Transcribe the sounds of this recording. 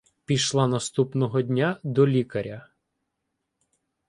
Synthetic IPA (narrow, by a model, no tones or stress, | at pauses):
pʲiʃlˠɑnɐst̪upnɔɦɔdʲnʲad̪ɔlʲikɐɾʲɐ